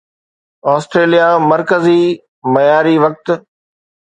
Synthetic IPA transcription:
ɔːsʈɾeːlijamɐɾkəzi | mɐjaːɾiʋɐk̚t̪̆

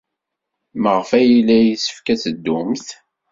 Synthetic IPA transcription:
məʁəfæjilːæjisə̥fkæt͡səd̪ːʊmθ

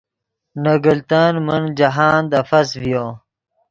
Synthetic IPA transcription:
nɐɡəlt̪aːnmənd͡ʑɐɦaːnd̪ɐfɐsvijo

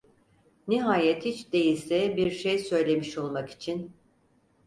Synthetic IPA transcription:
niɦaːjɛt̪hit͡ʃd̪e̞jilʲsɛbiɾʃejsø̞jlʲe̞miʃo̞lˠmaki̥t͡ʃʰin

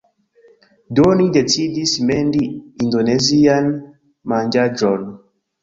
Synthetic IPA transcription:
dɔnidɛtidisimɛndiindɔnɛzian | maɲd͡ʒad͡ʒɔn

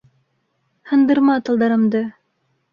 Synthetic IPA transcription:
hɤ̆nd̪ɤ̆ɾmɑt̪ɤ̆lˠd̪ɑɾɤ̆md̪ɤ

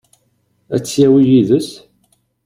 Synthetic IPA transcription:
æt͡sːjæwijiðəs

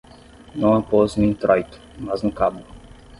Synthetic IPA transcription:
nɐ̃w̃apɔznũĩt̪ɾɔjt̪ʊ̥maznʊkabʊ

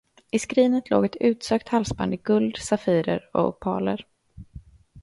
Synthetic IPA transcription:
ɪskɾiːnət̪lo̰ːɡɛt̪ʉ̟ːt̪søːk̚t̪halsba̰nd̪əɡɵld̪safiːɾəɾɔ̰pʰɑːlə̰ɾ

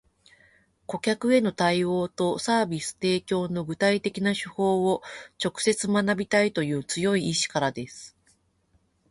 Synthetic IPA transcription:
ko̞kʲakɯ̟e̞no̞t̪aio̞ːt̪o̞saːbʲisɨ̥t̪e̞ːkʲo̞ːno̞ɡɯ̟t̪ait̪e̞kʲinaɕɨho̞ːot͡ɕo̞kɯ̟̥se̞t͡sɨmanabʲit̪ait̪o̞jɯ̟ːt͡sɨjo̞iːɕi̥kaɾad̪e̞sɨ̥

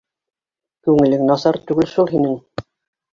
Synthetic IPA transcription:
kʉŋɘ̆lɘŋnɑsɑɾt̪ʉɡɘlʃulˠɦinɘŋ

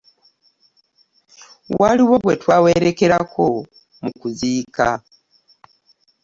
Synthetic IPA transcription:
waliwo̞ɡwe̞twaːwe̞ɾe̞ke̞ɾako̞ | mukuziːka̰

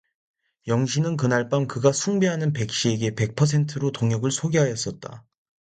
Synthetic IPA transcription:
jʌŋɕʰinɯnk̬ɯnaɭp͈amkɯɡasʰuŋbeɦanɯnpe̞k̚ɕ͈ie̞ɡe̞pe̞k̚pʰʌsʰe̞ntʰɯɾotoŋjʌɡɯɭsʰoɡeɦajʌs͈ʌt̚t͈a̰

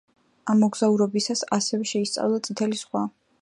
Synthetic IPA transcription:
amɔɡz̥auɾɔbisasasɛvɛʃɛist̪sʼa̰vlˠat̪sʼit̪ʰɛlisχwa

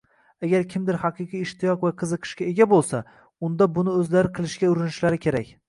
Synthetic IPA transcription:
aɡʲaɾkʲʰɪmd̪ɪɾhɑqʰɨqijːʃt̪ʰɪjɒqvaqʰɨzɨqʰɨ̥ʃkʲae̞ɡʲabolˠsa | ʊnd̪abʊnɪɵzlaɾɪqʰɨlˠɪʃɡʲaʊɾɪnɪʃlaɾɪkʲʰe̞ɾakʲ

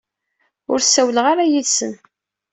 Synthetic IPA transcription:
ʊɾsæwləʁaɾajiðsən

